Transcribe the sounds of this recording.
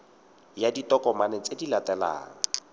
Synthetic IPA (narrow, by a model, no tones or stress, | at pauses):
jaditɔkɔmanɛt͡sedilatɛla̰ːŋ̩a